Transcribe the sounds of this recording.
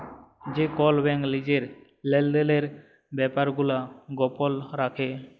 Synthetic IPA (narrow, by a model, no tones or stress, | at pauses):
d͡ʒekɔlbɛŋɡlid͡ʑeɾ | lelɖeleɾ | bɛpaɾɡulaɡɔpɔlɾakʰe